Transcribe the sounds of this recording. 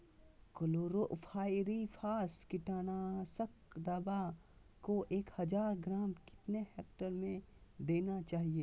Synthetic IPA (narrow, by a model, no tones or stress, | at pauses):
koloːɾoʔfʰaːɪɾifʰaːskɪʈaːnasəkd̪aːba | koʔeːkhɐd͡ʒaːɾɡɾaːmkɪ̥t̪nehɛːk̚ʈəɾmẽd̪eːnat͡ʃaːɦieː